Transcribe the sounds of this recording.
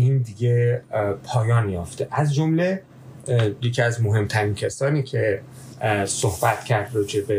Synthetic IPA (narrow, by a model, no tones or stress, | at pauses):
ind̪iɡepʰɒːjɒːnjɒːft̪ʰeʔæzd͡ʒomle | jecʰiæzmoɦe̞mt̪ʰæɾiːncʰesɒːniːcʰe̞ | sohbæt̪cʰæɾd̪ɾɒːd͡ʒe̞be